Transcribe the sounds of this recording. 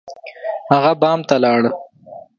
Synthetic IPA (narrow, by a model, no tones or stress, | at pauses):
haɣabɑːmt̪alɑːɽə